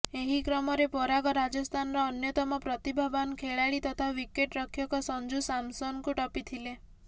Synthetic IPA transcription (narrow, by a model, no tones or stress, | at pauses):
eɦikɾɔmɔɾepɔɾaɡɔɾad͡ʒɔst̪ʰanɔɾɔːnjɔt̪ɔmɔpɾɔt̪ibʱabankʰeɭaɭit̪ɔt̪ʰaʋikeʈɾɔkʰjɔkɔsɔnd͡ʒusamsɔnkuʈɔpit̪ʰile